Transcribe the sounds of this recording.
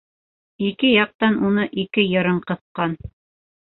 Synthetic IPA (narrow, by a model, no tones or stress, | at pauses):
ikɘjɑq̚t̪ɑnʔunɤʔikɘjɤ̆ɾɤɴqɤ̆θqɑn